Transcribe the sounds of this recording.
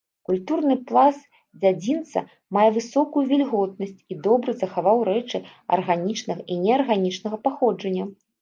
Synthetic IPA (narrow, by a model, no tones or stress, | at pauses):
kulʲt̪urnɨplˠas | d͡zʲad͡zʲint̪sɐ̰ | majɛvɨsɔkujuvʲɛlʲɣɔd̪nɐsʲt͡sʲid̪ɔbɾɨzɐxavawɾɛt͡ʂɨɐ̰rɣanʲit͡ʂnɐɣɐʔinʲɛɐrɣanʲit͡ʂnɐɣɐpaxɔd͡ʐɐnʲːɐ